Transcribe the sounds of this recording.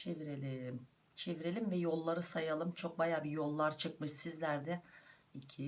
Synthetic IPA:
t͡ʃʰeviɾelʲem | t͡ʃʰe̞viɾelʲimvɛjo̞lˠːaɾɯsajalˠɯmt͡ʃʰo̞k̚bajaːbijo̞lˠːaɾt͡ʃʰɯk̚mɯʃsizlʲæɾd̪ɛicʰi

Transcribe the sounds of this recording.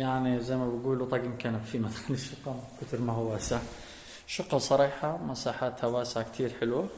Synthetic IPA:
jaʕnizajmabaɡuːlut̪ˤɑɡɪmkanabfimat̪xalːɪʃʊqːakʊt̪ɪɾmahwaːsɪʕ | ʃʊqhɑsˤɑɾiːħamasaːħaːt̪hawaːsʕakt̪ʰiːɾħɪlwa

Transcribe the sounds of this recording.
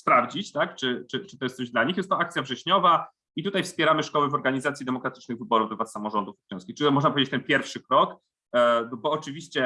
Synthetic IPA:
spɾavd͡ʑit͡ɕt̪akt͡ʂɘt͡ʂɘt͡ʂɨt̪ɔjɛst̪sɔʑd̪laɲixjɛst̪ɔak̚t̪sʲjavʐɛɕɲɔva | it̪ut̪ajfspʲjɛɾamɘʂkɔwɛvɔɾɡaɲizat̪sʲjid̪ɛmɔkɾat̪ɘ̥t͡ʂnɘɣvɘbɔɾuvd̪ɛvassamɔʐɔnd̪ufɔjʲɔ̃wskʲixt͡ʂɘt̪ɔmɔʐnpɔvʲed͡ʑet͡ɕt̪ɛnpʲjɛɾfʂɘkɾɔk | bɔːt͡ʂɘvʲiɕt͡ɕɛ

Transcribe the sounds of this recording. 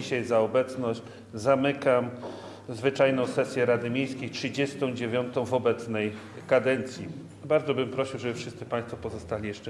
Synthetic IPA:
iɕajzaɔbɛt̪snɔɕt͡ɕ | zamɘkam | zvɘt͡ʂajnɔ̃w̃sɛsʲjɛɾad̪ɘmʲejskʲejtʂɘd͡ʑɛst̪ɔ̃w̃d͡ʑevʲjɔnt̪ɔ̃w̃vɔbɛt̪snɛj | kad̪ɛnt̪sʲji | baɾd̪zɔbɘmpɾɔɕiwʐɛbɘfʂɘst̪sɘpaj̃st̪fɔpɔzɔst̪alʲijɛʂt͡ʂɛ

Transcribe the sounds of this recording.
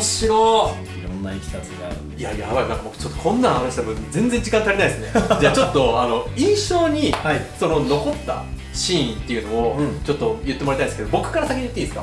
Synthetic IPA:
ɕio | iɾonːaikʲi̥t̪at͡sɡa | jajaβainãŋkamot͡ɕo̞t̪ːokʰõ̞nːãhanaɕid̪emod͡zẽ̞nd͡zẽ̞ɲ̟d͡ʑikãnt̪aɾʲinaiesɨne̞d͡ʑaːt͡ɕot̪ːo̞ano̞ĩɰ̃ɕo̞ːɲ̟iaso̞no̞no̞ko̞t̪ːa̰ | ɕĩːĩnt̪ːe̞jiɯ̟no̞ot͡ɕo̞t̪ːo̞jɯ̟t̪ːemoɾet̪aid̪esked̪obo̞kɯ̟̥kaɾasakʲiɲiɯ̟t̪ːeĩːsɨ̥ka

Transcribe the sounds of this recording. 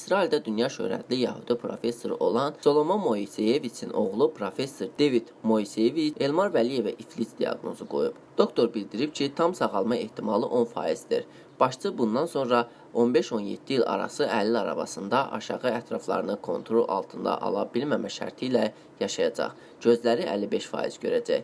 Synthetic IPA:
isɾɑild̪æd̪ynjɑʃø̰ɾæ̰d̪lijæhud̪̥ipʰɾo̞̰fe̞sːoɾo̞lˠɑnso̞lˠo̞mɑnmo̞isejevit͡s̪ʰinʔo̞ʁlˠupʰɾo̞fe̞sːoɾd̪e̞vit̪mo̞isejevie̞lmɑɾvælije̞væʔiflisd̪ijɑ̰ɡno̞zuɡo̞̰jub̥d̪̥o̞kt̪ʰo̞ɾbild̪iɾibcʰit̪ʰɑmsɑʁɑlˠmɑe̞ht̪ʰimɑlˠɯʔo̞nfɑ̰ːjiz̥d̪ḭɾ | b̥ɑʃt͡ʃʰɯbund̪ɑnso̞nɾɑ | o̞nbe̞ʃo̞njḛt̪ʰːiilɑ̰ɾɑ̰sɯʔælːiɑɾɑ̰vɑ̰sɯnd̪ɑʔɑ̰ʃɑʁɯæt̪ʰɾɑflˠɑ̰ɾɯnɯkʰo̞̰nt̪ʰɾo̞lˠʔɑ̰lˠt̪ʰɯnd̪ɑ̰ʔɑ̰lˠɑ̰bilmæmæʃæ̰ɾt̪ʰilæ | jɑʃɑjɑd͡ʒɑ̰χ | ɟø̞zlæɾiʔæ̰lːibeʃfɑ̰ːjḭz̥ɟø̞ɾæd͡ʒæj

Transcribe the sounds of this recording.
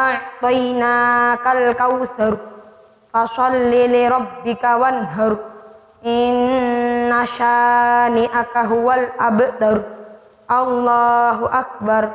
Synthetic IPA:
ʔaʕt̪ˤijnaːkalkawθaɾ | fasɑlːilɪɾˤɑbːɪkawanɦaɾ | ʔɪnː | aʃaːniʔakaɦʊwalʔabd̪aɾ | ʔɑlːɑːɦuʔak̚baɾ

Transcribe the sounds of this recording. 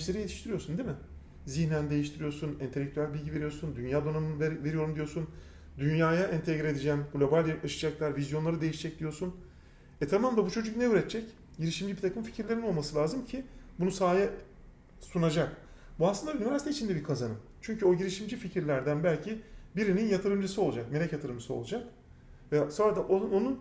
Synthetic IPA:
ʃlʲe̞ɾije̞t̪ʰiʃt̪ʰiɾijo̞ɾsund̪imɪ | ziçnænd̪e̞jiʃt̪ʰiɾijo̞ɾsunint̪elʲːɛk̚ct̪ʰyælʲbilʲɟive̞ɾijo̞ɾsund̪ynjaːd̪o̞nanɯnvve̞ɾijo̞ɾumd̪ijoɾsun | d̪ynjaːjaʔɛnt̪ʰɛɡɾied̪id͡ʒænɡlʲo̞balʲaʃɯ̥d͡ʒaklˠaɾvizjo̞nlˠaɾɯd̪e̞jiʃd͡ʒɛc̚d̪̥ijo̞ɾsun | ɛt̪ʰamamd̪ˠabut͡ʃʰo̞d͡ʒuknɛyɾɛt̪t͡ʃʰɛc | ɟiɾiʃimd͡ʒibit̪ʰakʰɯmfi̥cʰiɾlʲe̞ɾino̞lˠmasɯlʲaːzɯmcʰibunusaːjɛ | sunad͡ʒak | buaslˠɯnd̪aynivʲæɾsit̪ʰeit͡ʃʰind̪ɛbiɾkʰazanɯm | t͡ʃʰyɲcʰyo̞ɟiɾiʃimd͡ʒificʰiɾlʲæɾd̪ænbælʲcʰibiɾininjat̪ʰɯɾɯmd͡ʒɯsɯo̞lˠud͡ʒakme̞lʲɛcjat̪ʰɯɾɯmd͡ʒɯsɯolˠud͡ʒak̚ | vɛso̞nɾad̪aʔoo̞nun

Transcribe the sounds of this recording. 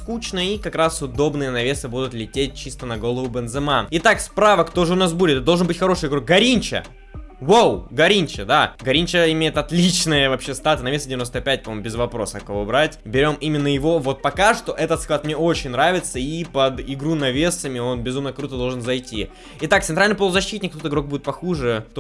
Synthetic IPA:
skut͡ɕnəikɐkɾasʊd̪o̞bnɨjənɐvʲe̞sɨbud̪ʊt̪lʲɪtʲet̚ʲt͡ɕist̪ənɐɡo̞lˠəvʊbɛnzɨmanɪt̪akspɾavəkt̪oʐɨʊnas̬buɪt̪d̪olˠʐənbɨtʲxɐɾo̞ʂɨjɪɡɾuɡɐɾʲinʲt͡ɕə̰ | vowˠɡɐɾʲinʲt͡ɕəd̪aɡɐɾʲinʲt͡ɕəɪmʲejɪt̪ɐt̪lʲit͡ɕnɨjəvɐpɕest̪at̪ənɐvʲesədʲɪvʲɪnost̪əpʲæt̚ʲpɐmomʊbʲɪzvɐpɾo̞səɐkɐvobɾatʲbʲɪɾʲo̞mimʲɪnːəjɪvo̞vo̞t̪̚pɐkaʂt̪o̞ʔɛt̪ət̪sklˠat̪̚mnʲeo̞t͡ɕɪnʲnːɾavʲɪt̪səipəd̪ɪɡɾunɐvʲe̞səmʲɪo̞nbʲɪzumnəkɾut̪əd̪olˠʐɨnzɐjtʲi | ɪt̪ak̚t̪sɨnt̪ɾalʲnɪplˠvˠəzɐɕːit̪nʲɪk̚t̪ot̪ɪɡɾo̞k̚budʲɪt̪pɐxuʐɨt̪

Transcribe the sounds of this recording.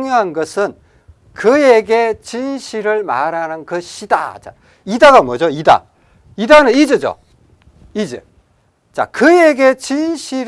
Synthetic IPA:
ŋjoɦanɡʌsʰɯn | kɯjeɡe̞t͡ɕinɕʰiɾɯɭma̰ɾanɯnkɯɕʰida̰t͡ɕa̰ | idaɡamwʌd͡ʑoida̰ | idanɯnid͡ʑɯd͡ʑo̰ | id͡ʑḛ | t͡ɕa̰kɯje̞ɡe̞t͡ɕinɕʰiɾ

